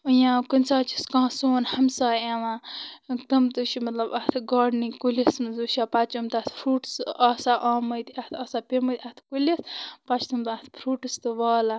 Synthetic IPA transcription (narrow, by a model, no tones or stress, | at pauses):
ujãːkunʲt͡saːt͡ʃʰi̥skãːsoːnhɐmsaːeʋãːkt̪ɐmt̪uʃʰimɐt̪lɐbɐt̪ʰɡaːɖnikulʲismzuʃapɐt͡ʃumt̪at̪ʰfʰɾuːʈsaːsaʔaːməjt̪iɐt̪ʰɐːsapemət̪ʰʲɐt̪ʰkulispɐt͡ʃʰt̪umt̪ɐt̪ʰpʰɾuːʈist̪ɨʋaːla